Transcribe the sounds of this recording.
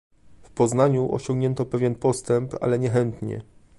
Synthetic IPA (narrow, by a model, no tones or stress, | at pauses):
fpɔznaɲuʔɔ̰ɕɔ̃ŋɡɲɛnt̪ɔpɛvʲjɛnpɔst̪ɛmpa̰lɛɲɛxɛnt̪ɲɛ̰